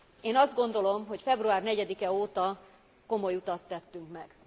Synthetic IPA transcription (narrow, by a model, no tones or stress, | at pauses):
eːnɒzd̪ɡo̞n̪d̪o̞lo̞mɦo̞cfɛbruaːrnɛɟɛd̪ikɛoːt̪ɒ | ko̞mo̞jut̪ɒt̪ːɛt̪ːyŋkmɛɡ̥